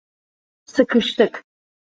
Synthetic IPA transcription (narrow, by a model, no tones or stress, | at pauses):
sɨkʰɨʃtʰɨkʰ